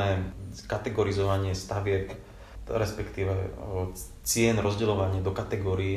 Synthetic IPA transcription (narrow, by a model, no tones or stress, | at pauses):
ɛːkat̪ɛɡɔɾizɔʋaɲɪɛst̪aʋɪɛp | ɾɛspɛkt̪iːʋɛ | t͡sɪɛnɾɔzɟɛlɔʋaɲɪad̪ɔkat̪ɛɡɔːɾii